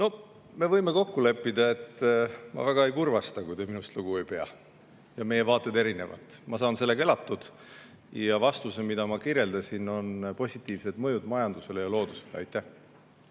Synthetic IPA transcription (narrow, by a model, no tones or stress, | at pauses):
no̞ | me̞vɤjme̞ko̞kːule̞pːid̪ɑe̞t̪ːmɑ̰væɡ̥ɑe̞jkurvɑst̪ɑkujd̪eminust̪luɡ̥uejpe̞ɑ̰ | jɑme̞jevɑːt̪ːˑe̞d̪e̞ɾine̞vɑ̰t̪mɑsɑːnse̞lːeke̞lɑt̪ːˑud̪̥ | jɑvɑst̪usemid̪̥ɑmɑkiɾje̞ld̪ɑsino̞npo̞sʲit̪ːˑiːvse̞d̪̥mɤjud̪mɑjɑnd̪use̞lejɑlo̞ːd̪̥use̞̥leɑ̰jt̪ːˑæh